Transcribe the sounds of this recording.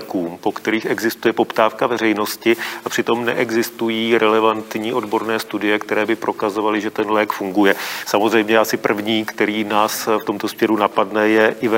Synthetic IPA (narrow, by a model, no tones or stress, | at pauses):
kuːmpo̞kt̪ɛɾiːxɛɡzɪst̪ujɛpo̞pt̪aːfkavɛrɛjno̞scɪapr̝̥ɪt̪o̞mnɛ̰ʔɛɡzɪst̪ujiːɾɛlɛvant̪ɲiːʔo̞dbo̞ɾnɛːst̪udɪjɛkt̪ɛɾɛːbɪpɾʔo̞kazo̞valɪʒɛt̪ɛnlɛːkfuŋɡujɛsamozr̝ɛjmɲɛʔasɪpr̩vɲiːkt̪ɛɾiːnaːsft̪o̞mt̪o̞smɲɛɾunapadnɛjɛʔɪvɛ